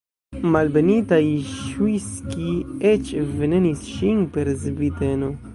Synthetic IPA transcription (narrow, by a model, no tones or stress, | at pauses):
malbenitajʃwiskiet͡ʃvenenisʃinpe̞ɾzbiteno̞